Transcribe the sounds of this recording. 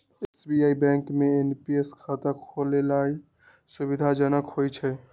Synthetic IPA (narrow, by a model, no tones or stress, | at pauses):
esbijaibɛ̃ŋkmeenpieskʰat̪əkʰolelai | subid̪ʱad͡ʒənəkɦojt͡ʃʰɛ